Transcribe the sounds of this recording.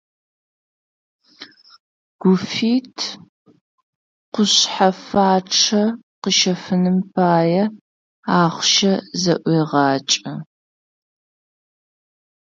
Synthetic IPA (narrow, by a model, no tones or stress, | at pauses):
ɡ̥ʷʊfiːtʰ | qʷʊɕħafaːʈ͡ʂʰɐqəʃɐfɨnɨmpʰaːjɐ | aːχʷʃɐzɐʔʷeːʁɑːt͡ʃʼɐ